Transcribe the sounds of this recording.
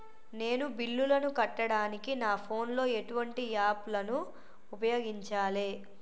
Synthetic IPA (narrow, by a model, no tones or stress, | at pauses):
ne̞ːnubilːulɐnukɐʈːɐɽaːnikinaːpʰo̞ːnlo̞ːe̞ʈuʋɐɳʈiaːplɐnuː | pɐjo̞ːɡiɲt͡ʃaːleː